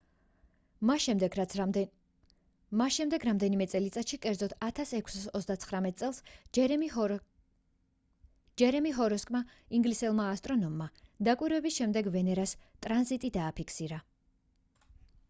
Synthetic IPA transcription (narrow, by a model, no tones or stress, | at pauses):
masʃɛmd̪ɛɡɾamd̪ɛnimɛt̪sʼɛlit̪sʼat̪ʃikʼɛɾd̪zɔt̪ʰat̪ʰasɛkʷʰsasɔt̪sd̪at̪sʰχɾamɛt̪ʼsʼɛlˠs | d͡ʒɛɾɛmiɦɔɾɔskʼma | iŋɡlisɛlˠmaːst̪ʼɾɔnɔmːad̪akʼwiɾwɛbisʃɛmd̪ɛɡvɛnɛɾast̪ʼɾanzit̪ʼid̪aːpʰikʰsiɾa